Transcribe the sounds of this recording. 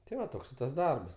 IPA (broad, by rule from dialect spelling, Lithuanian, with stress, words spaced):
tʲɪ ˈʋɐ ˈtoːks ɪ tɐs ˈdɐrbɐs